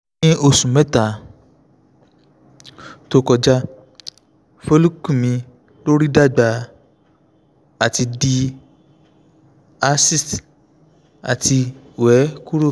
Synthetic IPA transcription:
ĩ˦o˧˨sũ˨mɛ̃˦ta˨ | to˧kɔ˧d͡ʒa˧ | fo˧lu˦ku˦˨mĩ˧ | lo˦ɾi˦da˦˨ɡ͡ba˧˨ | a˨ti˧di˧ | a˧si˦st | a̰˨ti˧wɛ˨˦ku˦ɾo˦˨

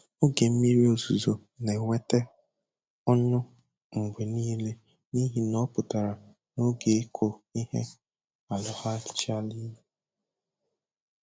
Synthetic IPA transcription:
o˦ɡe˨m̩˦mi˦ɾi˦o˨zu˨zo˨ | ne˨ŋʷe˦te˦ | ɔ˦nʊ˦ | ŋ͡m̩˨ɡ͡bʷe˨niː˦le˦ | ni˦ɦi˦nɔ˦pʊ˨ta˨ɾa˨ | no˦ɡe˨e˦kʰo˨i˦hḛ˦ | a˨lɔ˨ha˦ɪ̥˨t͡ʃa˦li˦le˨

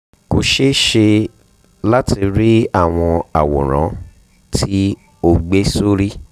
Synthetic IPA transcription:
ko˧ʃe˦ʃe˧ | la˦ti˧ɾi˦a˦˨w̃ɔ̃˧a̰˨wɔ̰˨ɾ̃ã̰˨˦ | tʰi˦ | o˧ɡ͡be˦so˦ɾi˦

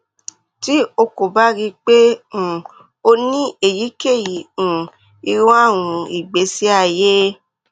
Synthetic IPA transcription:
ti˦o˧ko˨ba˦ɾi˧k͡pẽ˦˨ | o˧nĩ˦e˨ji˨˦ke˦˨jĩ˨ | i˧ɾũ˦a˦˨w̃ũ˧i˨ɡ͡be˨˦si˦a˦˨je˦

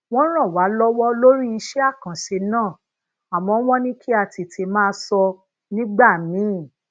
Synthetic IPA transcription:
w̃ɔ̃˦ɾ̃ã˦˨wa˨˦lɔ˦wɔ˦lo˦ɾi˦i˧ʃɛ˦a˦˨kã˨ʃe˧nãː˦˨ | a˨mɔ̃˨˦w̃ɔ̃˦nĩ˦kʰi˦a˧ti˧tʰi˧mãː˦sɔ˧ | nĩ˦ɡ͡ba˦˨mĩ˨˦˨

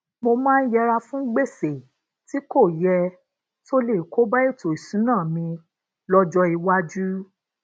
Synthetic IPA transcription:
mo˧mãː˦n̩˦jɛ˧ɾa˧fũ˦ɡ͡be˦˨se˨ | ti˨˦ko˦˨jɛ˧ | to˦le˦˨ko˨˦ba˦e˦˨to˨i˨sũ˨˦nãː˦˨mĩ˧ | lɔ˦d͡ʒɔ˧i˧wa˦d͡ʒu˦

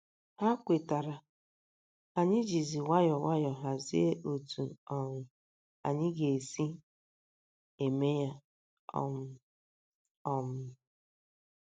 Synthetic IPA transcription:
ha˦kʷe˨ta˨ɾa˨ | a˨ɲɪ˦d͡ʒi˨zi˨wa˦jɔ˨wa˦jɔ˨ɦa˨zi˦e˦ʔo˨tʰu˨ɔ˨ŋʷʊ˨ | a̰˨ɲɪ˦ɡe˨si˦ | e˨me˦ja˦ | ɔ̰˦ | ɔ˦m̩˨˦˨

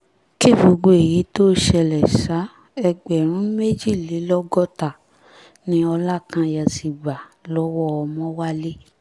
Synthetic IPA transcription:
ki˦˨bo˨ɡ͡bo˧e˨ji˨˦to˦ʃɛ˧lɛ˨ʃa˨˦ | ɛ˧ɡ͡bɛ˨ɾ̃ũ˨˦me˦d͡ʒi˦˨le˨˦lɔ˦ɡɔ˦ta˨ | nĩ˦ɔ˧la˦˨kã˧ja˨si˨ɡ͡ba˨lɔ˦wɔ˦ɔ˧mɔ̃˦wa˦le˦

